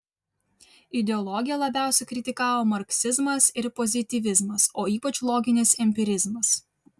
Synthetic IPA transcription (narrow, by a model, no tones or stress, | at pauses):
ɪd̪ʲɛɔlˠɔɡʲɪjɛlˠɐbʲæˑʊsʲɛkɾʲɪt̪ʲɪkɑːʋoːmɐɾksʲɪzmɐsɪɾpɔzʲɪt̪ʲiʋʲɪzmɐsoːiːpɐt͡ʃlˠɔːɡʲɪnʲɪsɛmʲpʲɪɾʲɪzmɐs